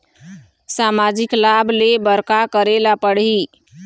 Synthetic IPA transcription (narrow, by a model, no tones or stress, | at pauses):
samad͡ʒiklabʱlebəɾkakəɾelapəɽɦi